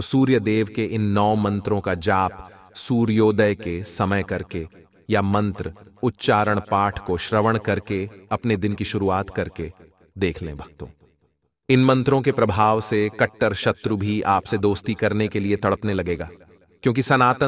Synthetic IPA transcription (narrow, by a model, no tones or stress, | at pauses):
suːɾjəd̪eːʋkeʔɪnːɔːmɐ̃nt̪ɾõkad͡ʒaːp | suːɾjoːd̪əjkesɐməjkɐɾke | jamɐ̃nt̪ɾəʊt̪ːt͡ʃaːɾəɽ̃paːʈʰkoʃɾɐʋəɽ̃kɐɾkeɐpned̪ɪnkiʃʊɾuaːt̪kɐɾke | d̪eːkʰlḛ̃bʱɐɡ̚t̪õ̰ː | ɪnmɐ̃nt̪ɾõkepɾɐbʱaːʋsekɐʈːəɾʃɐt̪ɾubʱiaːpsed̪oːst̪ikɐɾnekeliet̪ɐɽəpnelɐɡeːɡaː | kjõːkisɐnaːt̪ə